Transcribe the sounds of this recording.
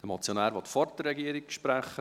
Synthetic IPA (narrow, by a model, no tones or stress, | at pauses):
d̥əmɑt͡sjonæːɾʋɔt̪fɔɾtərːɛɡiəɾikʃpɾæχːə